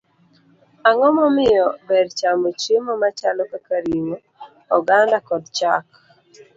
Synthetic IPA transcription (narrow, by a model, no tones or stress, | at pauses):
aŋɔmɔmɪjɔbɛɾt͡ʃamot͡ʃemɔmat͡ʃalɔkakaɾimo | ɔɡandakɔdt͡ʃak